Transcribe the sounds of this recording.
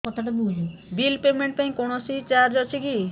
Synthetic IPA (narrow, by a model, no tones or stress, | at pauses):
kɔt̪ʰaʈabud͡ʒibilpemeɳʈ̚p̪aĩkɔɽ̃ɔsit͡ʃaɾd͡ʒɔt͡ʃʰiki